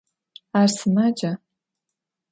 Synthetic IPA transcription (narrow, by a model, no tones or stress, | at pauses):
arsɨnad͡ʒa